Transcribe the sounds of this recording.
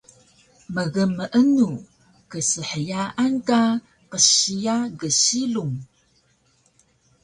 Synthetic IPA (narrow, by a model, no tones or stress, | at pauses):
məɣəməʔənu | kəsəħəjaʔanka | qəɕijaɡəɕiluŋ